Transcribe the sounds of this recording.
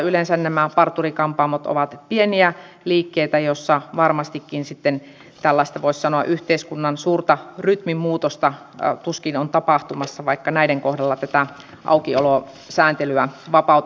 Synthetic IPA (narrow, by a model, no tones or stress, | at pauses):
ylensænnæmæpɑrt̪ːurikɑmpɑmːot̪o̰ʋɑt̪pieniæ | liːkːeit̪æjosːɑʋɑrmɑst̪ikːinsit̪ːen | t̪ælːɑˑist̪ɑʋoissɑnoɑʔyht̪eiskunːɑnsuːrt̪ɑryt̪mimmuːt̪ost̪ɑ | t̪uskinont̪ɑpɑht̪umɑsːɑʋɑikːɑnæiɾeŋkohdɑlːɑt̪æt̪æ | ʔɑ̰ukiolo | sæːnt̪elyæʋɑpɑˑut̪